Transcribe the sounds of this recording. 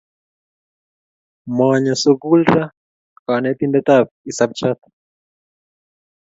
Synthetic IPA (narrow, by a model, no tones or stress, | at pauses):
mwaɲasuɡulɾa | kanɛt̪indɛt̪ab̚isab̚t͡ʃat̪